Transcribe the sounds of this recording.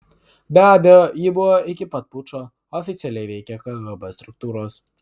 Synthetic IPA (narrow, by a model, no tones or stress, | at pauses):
bʲæːbʲɛjoːjɪbʊʋoːʔɪkʲɪpɐt̪̚pʊt͡ʃoː | ɔfʲɪt̪sʲɛlʲɛɪʋʲɛɪkʲɛkɐɡɐbɐst̪ɾʊk̚t̪uːɾoːs